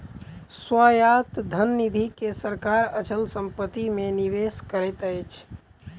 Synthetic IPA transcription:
swajat̪d̪ʱənːid̪ʱikesəɾkaɾət͡ʃəlsəmpət̪imeniʋeskəɾɛt̪əjt͡ʃʰ

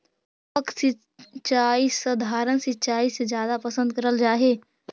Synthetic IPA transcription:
pɐkse | t͡ʃaːisɐd̪ʱaːɾənsɪt͡ʃaːised͡ʒjaːd̪apɐsə̃nd̪̚kɐɾəld͡ʒaːɦeː

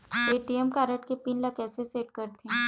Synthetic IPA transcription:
eːʈiɛmkaːɾəʈkepinlɐkɛːseseːʈ̚kɐɾt̪eɦɛ̃

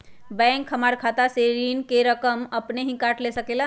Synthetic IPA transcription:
bɛŋkɦəmaɾkʰat̪aseɾinkeɾəkəməpneɦĩkaʈlesəkela

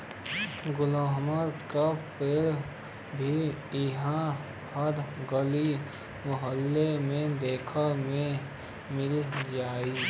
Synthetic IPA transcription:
ɡʊlaːɦməɾkapɪɾ | bʱiɪɦã | həɾɡəli | mʊɦəlːemẽd̪eːkʰəmẽ | mɪld͡ʒaːiː

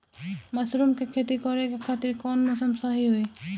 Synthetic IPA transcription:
mɐsɾuːmkekʰeːt̪ikɔːɾekekʰaːt̪ɪɾkɔːnmosəmsaɦiɦoe

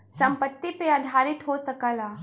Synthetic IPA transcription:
sɐ̃mpət̪ːipead̪ʱaːɾɪt̪ɦosɐkəlaː

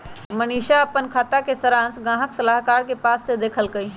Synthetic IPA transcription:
məniːʃaəpənkʰaːt̪akesəɾãːnsɡãːɦəksəlaːɦkaːɾkepaːsːed̪eːkʰəlkəi

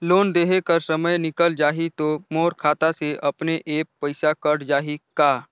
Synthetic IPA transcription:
loːnd̪eːɦekəɾsəməjnɪkəld͡ʒaːɦit̪omoːɾkʰaːt̪aseʔɐpneʔeːpːəɪsakəɽd͡ʒaːɦikaː

